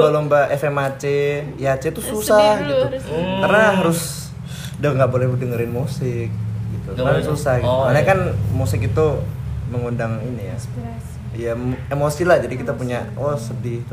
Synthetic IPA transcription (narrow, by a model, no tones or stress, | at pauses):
balombaʔɛfɛmat͡ʃeiat͡ʃɛt̪ususahɡit̪ukarnaɦaɾʊs | daŋɡaʔbolɛhdəŋəɾɪnmusɪk̚ɡit̪uasusahɡiumanɲakanmusɪkit̪uməŋundaŋinija | jaemosilahd͡ʒadikit̪apuɲawasədɪht̪u